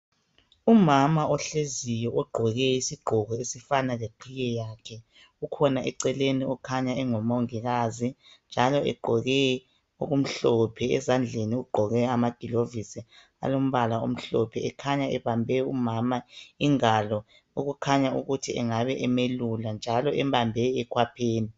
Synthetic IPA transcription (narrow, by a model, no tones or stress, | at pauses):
umamaɔɬezijɔɔɡ͡ǃʱɔɣɛisiɡ͡ǃʱɔɣɔesifanaɣeǃʰijɛjakʰɛ | ukʰɔnaʔɛǀɛleniɔkʰaɲaɛŋɔmauŋiɣaːzind͡ʒʱalɔɛ̰ɡ͡ǃʱɔɣɛ | oɣum̩ɬɔpʰɛɛ̰zand͡ɮʱeniuɡ͡ǃʱɔɣɛamaɡ̥ʱilovisi | a̰lom̩βalao̰m̩ɬɔpʰɛɛkʰaɲaɛβambʱɛumamaiŋalɔ | uɣukʰaɲauɣutʰiɛŋaβɛʔɛmeluland͡ʒʱalɔʔɛmbambʱɛɛkʰwapʰeːni